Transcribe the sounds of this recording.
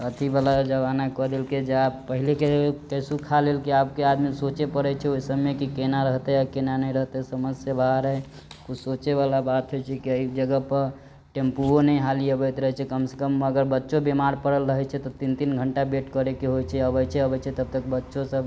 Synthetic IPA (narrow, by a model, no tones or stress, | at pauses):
ət̪ʰibalad͡ʒəbanakɔd̪elked͡ʒeapːəɦilekekəjsukʰalelkiapkead̪misot͡ʃepəɾɛt͡ʃʰɛojsəbmekikenaɾəɦt̪ɛakenanəiɾəɦt̪esəməsjəbaɦɾɦɛ | kut͡ʃʰsot͡ʃeβalabat̪ɦojt͡ʃʰɛkiəid͡ʒəɡəpəɾ | ʈempuonɛiɦaliəbɛt̪ɾəɦɛt͡ʃʰɛkəmse̥kəməɡəɾbətːʃobemaɾpəɽəlɾəɦɛt͡ʃʰɛt̪ɔt̪int̪inɡʱəɳʈabeʈkəɾekeɦojt͡ʃʰɛəbəjt͡ʃʰɛəbəjt͡ʃʰɛt̪əb̚t̪əkbətːʃosəb